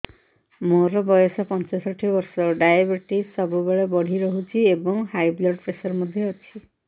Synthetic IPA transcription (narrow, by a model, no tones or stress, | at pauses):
moɾɔbɔjɔsɔpɔnt͡ʃɔsɔʈʰibɔɾsɔɖajabɔɾʈisːɔbubeɭebɔɽ̤iɾɔɦut͡ʃʰiebɔŋhajblɔɖpɾesɔɾmɔd̪ʱjɔːt͡ʃʰi